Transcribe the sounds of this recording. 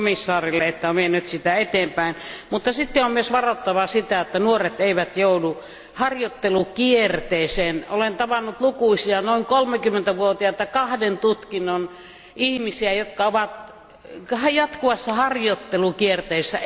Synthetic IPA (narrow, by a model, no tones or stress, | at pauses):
misːɑːrilːeet̪ːæomienyt̪sit̪æet̪eːmpæinmut̪ːɑsit̪ːeommyøsʋɑrot̪ːɑʋɑsit̪æet̪ːænuoret̪eiʋæt̪joudu | hɑrjot̪ːelukiert̪eːseːnolent̪ɑʋɑnːut̪lukuisiɑnoiŋkolmekymːent̪æʋuot̪iɑet̪ːækɑhdent̪ut̪kinːon | ihmisiæjot̪kɑoʋɑt̪ | hjɑt̪kuʋɑsːɑhɑrjot̪ːelukiert̪eːsːæ